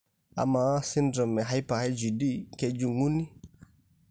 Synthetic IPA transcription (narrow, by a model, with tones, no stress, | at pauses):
a̰˨ma˨˦sɪ˦ndɾɔ˨mɛ˨ɦa˦jpa˨ha˦jd͡ʒi˨di˦ke˧d͡ʒu˨ŋu˦ni˦